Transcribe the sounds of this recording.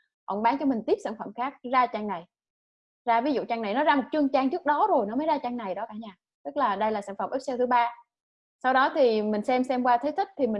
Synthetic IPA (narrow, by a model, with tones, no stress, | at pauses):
ʔo̰˧˩wŋ͡mɓaː˨˦ŋt͡ɕɔ˧mï˨˩ŋ̟t̪i˦˥p̚sa̰ː˧˩nfə˧˩mxaː˦˥k̚zaː˧t͡ɕaː˧ŋna˨˩j | zaː˧vi˨˦zṵ˧˨t͡ɕaː˧ŋna˨˩jnɔ˨˦zaː˧mo˨˩t̚t͡ɕɨ˧əŋt͡ɕaː˧ŋt͡ɕɨ˦˥ək̚ɗɔ˨˦zo˨˩jnɔ˨˦məː˨˦zaː˧t͡ɕaː˧ŋna˨˩jɗɔ˨˦kaː˧˩ɲaː˧˩ | t̪ɨ˦˥k̚laː˨˩ɗə˧jlaː˨˩saː˧˥nfə˨˩mʔɛ˦˥sɛ˧t̪ɨ˨˦ɓaː˧ | sa˧wɗɔ˨˦t̪ʰi˨˩mï˨˩ŋ̟sɛ˧msɛ˧mkwaː˧t̪ʰə˨˦jt̪ʰï˦˥k̚t̪ʰi˨˩mï˨˩